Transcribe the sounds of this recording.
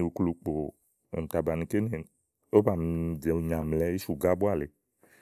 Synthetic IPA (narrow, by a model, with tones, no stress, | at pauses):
i˨wu˨klu˨k͡po˨ | ḛ˨m̩˨t̪a˨ba˨nĩ˨ke˦ne˨ | o˦ba˨m˨d͡ʒe˨ɲã˨mlɛ˦i˦ʃu˨ɡa˦bo˦a˨le˨